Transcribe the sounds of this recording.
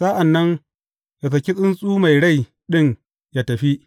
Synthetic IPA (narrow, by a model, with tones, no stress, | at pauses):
sa˦ʔa˨nːɐ˦n | ja˨s̬ɐ˨kʲi˦sʼɪ˦nsʼuː˦ma˨jɽa˦˨j | ɗɪ˦ŋ | ja˦tɐ˨ɸi˦ʔ